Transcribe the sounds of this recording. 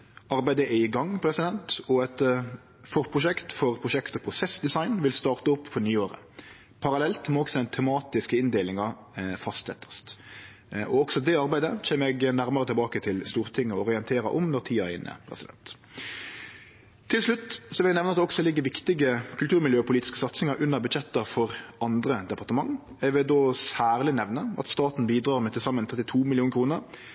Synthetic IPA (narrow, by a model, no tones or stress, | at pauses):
ɑɾbæɪd̪əʔɛɪɡɑŋːpʰɾɛsɪd̪ɛnt̪ɔɛt̪ | fɔʁpʰʁʊʃɛkt̪fɔʁpʰɾʊʃɛkt̪ɔpʰʁʊsɛsd̪ɛsɑɪnʋɪlst̪ɑːʁt̪əʊpːfʰɔnyːoːɾə̰ | pʰɑɾɑlɛlt̪mɛɔksɔd̪ɛɪnt̪ʰɛmɑːt̪ɪskəɪnd̪eːlɪŋɑ | fɑst̪sɛ̰t̪ːə̥st̪ | ʔɔɔksɔd̪ɛɑɾbæɪd̪ət͡ɕʰeːmɛɡnæɾməɾət̪ʰɪlbɑːkət̪ʰɪlst̪uːɾt̪ʰɪŋːəɔɔʁɪɛnt̪ʰeːɾɑʔɔmnɔɾt̪ʰiːɑæɪnʔə̰pʰɾɛ̰sɪd̪ɛ̰nt̪ | t̪ʰːɪlslʉt̪ːsɔʋɪlæɪnɛʋnəɑt̪d̪ɔksɔlɪɡːəɾʋɪkt̪ɪɡəkʰʉlt̪ʰʉːɾmɪljøːɔpʰʊliːt̪ɪskəsɑt̪snɪŋɑɾʉnːəɾbʉd̪d͡ʒɛt̪ːɑfɔɾɑnd̪ɾəd̪ɛpɑʁt̪əmɑŋː | ɛʋɪld̪oːsæːʁlɪnɛʋnəʔɑ̰t̪st̪ɑːt̪n̩biːd̪ɾɑːɾmɛt̪ʰɪlsɑmːənt̪ʰʁɛt̪ːɪt̪ʰuːmɪlɪuːnəkʰɾuːnəɾ